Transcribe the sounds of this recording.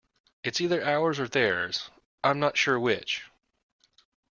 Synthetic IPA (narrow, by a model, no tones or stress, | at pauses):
ɨtsiðə˞ʔaʊə˞zə˞ðəɹz̥ | ãɪ̃mnətʃʊɹwɪt͡ʃ